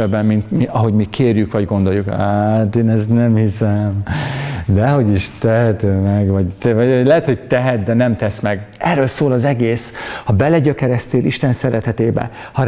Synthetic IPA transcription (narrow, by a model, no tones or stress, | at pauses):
ɛbːɛmmint̪miɒɦo̞ɟmikʰeːrjykʋɒɟɡo̞nd̪o̞jukat̪eːnɛsnɛmhisɛm | d̪ɛɦo̞ɟiʃt̪ɛɦɛt̪øːmɛɡvɒɟt̪ɛlɛɦɛt̪hoɟ̚t̪ɛɦɛt̪̚d̪ɛnɛmt̪ɛsmɛɡɛrːøːlsoːlɒzɛɡeːshɒbɛlɛɟøkɛɾɛst̪eːliʃt̪ɛnsɛɾɛt̪ɛt̪eːbɛ̰ | hɒɾ